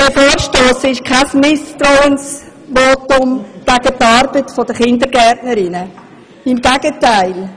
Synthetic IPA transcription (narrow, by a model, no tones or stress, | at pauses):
d̥ɛfoːɾʃtoːsɪʃkʰasmɪstɾɔʊəns | ʋoːtʊmv̥aɡ̥ətɑɾbətfɔdəχɪndəɾɡɛtnəɾɪnə | ɪmɡɛɡətaɪl